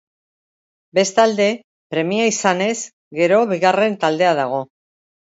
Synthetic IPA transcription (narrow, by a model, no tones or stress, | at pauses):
be̞st̪ald̪e̞ | pɾe̞miaisane̞z | ɡe̞ɾo̞βiɣare̞nt̪ald̪e̞aðaɣ̞o̞